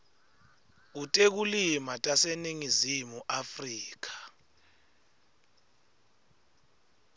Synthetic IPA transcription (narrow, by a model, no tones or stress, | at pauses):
k̬utʼek̬ulimatʼaseniŋizimuʔafriːk̬ḁ